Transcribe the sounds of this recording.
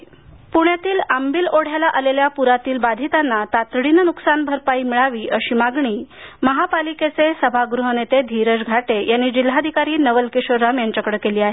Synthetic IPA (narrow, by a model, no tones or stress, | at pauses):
puɳjat̪iːlambiːloɽ̤jalaʔaleljapuɾat̪iːlbad̪ʱit̪anːat̪at̪ɽinənuksanbʱəɾpaiːmiɭaʋiːʔəɕimaɡɳiːməɦapaliket͡sesəbʱaɡɾuɦənet̪ed̪ʱiɾəd͡zɡʱaʈejanːiːd͡ʑilːad̪ʱikaɾiːnəʋəlkiɕoɾamjaɲt͡ɕakɽəkeliːaɦe